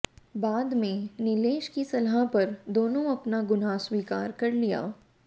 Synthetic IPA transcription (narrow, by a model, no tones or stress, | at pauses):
baːd̪mẽnɪleːʃkisɐlɦapɐɾd̪oːnõɐpnaɡʊnaːswiːkaːɾkɐɾlija̰ː